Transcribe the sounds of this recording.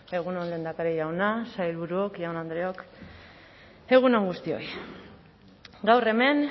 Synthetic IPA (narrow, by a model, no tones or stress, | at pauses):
e̞ɣunonle̞nd̪akaɾejawnasajlβuɾuokʝawnand̪ɾeo̞k | e̞ɣ̞unoŋɡust̪io̞̰j | ɡawre̞me̞n